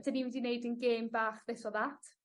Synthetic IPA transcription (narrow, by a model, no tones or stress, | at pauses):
d̥aniwɛdinejdənɡeːmbaːχðɪsɔðatʰ